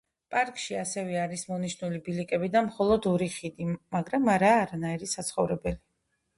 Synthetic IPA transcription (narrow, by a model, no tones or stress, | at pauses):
pʼaɾkʼʃiasɛvɛaɾismɔniʃnulibilikʼɛbid̪amχɔlˠɔd̪ɔɾiχid̪imaɡɾamaɾaːɾanaiɾisat̪sʰχɔvɾɛbɛli